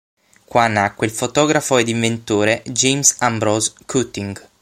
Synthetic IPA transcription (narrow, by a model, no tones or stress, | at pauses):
kwanːakːweilfot̪ɔːɡɾafoɛd̪iɱvent̪oːɾed͡ʒejmsambɾɔzkʰut̪ːiŋɡ